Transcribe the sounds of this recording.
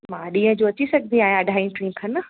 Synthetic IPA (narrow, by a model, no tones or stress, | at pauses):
mãːɗĩːə̃d͡ʑoːɐt͡ɕisɐɡʱd̪ʱĩaːɦjãɐɖʱaːĩʈɾĩːkʰɐnə